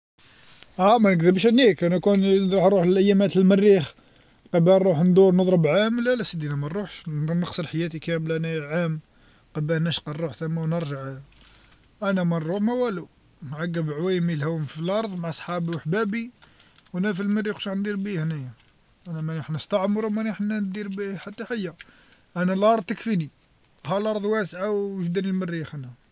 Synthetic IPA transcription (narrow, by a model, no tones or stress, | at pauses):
ʔæmænəkd̪əbʃənikænækunɾˤuħɾˤuħləlʔæjːæmæt̪əlmərːix | qɑbæˤɾuħnd̪uɾnəd̪ˤɾəbʕamlælæsid̪inæmænːˤuħʃnəqsˤəɾħajæt̪ikæmlænæʕam | qɑbæhnæʃqɑɾˤːuħt̪æmːæwnəɾʒaʕ | ʔænæmænˤɾuħmæwælu | nʕaɡːəbʕwijmilhæwmfilʔɑɾˤðˤmaʕasˤħɑbiwħbæbiwænæfilmərːixtaʕnd̪iɾbihnæjæ | ʔænæmænħnəst̪ɑʕmɾˤumæniħnænd̪iɾbiħat̪ːæħajːæ | ʔænælʔɑɾˤd̪ˤt̪əkfini | hælʔɑɾˤðˤwæsʕawʒd̪ænəlmərːijxænæ